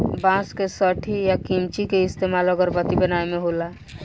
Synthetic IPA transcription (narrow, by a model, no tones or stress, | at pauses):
bãskesəʈʰijakimt͡ʃikeɪst̪emalɔɡəɾpət̪ibənaemeɦola